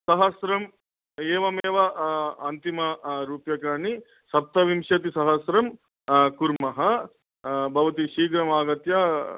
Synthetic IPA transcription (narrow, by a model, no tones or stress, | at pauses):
sɐɦɐsɾɐm | eːʋɐmeːʋɐɐnt̪imɐɾuːpjɐkaːɳi | sɐp̚t̪ɐʋimʃɐt̪isɐɦɐsɾɐm | kuɾmɐɦɐ | bʱɐʋɐt̪iʃiːɡɾɐmaːɡɐt̪ja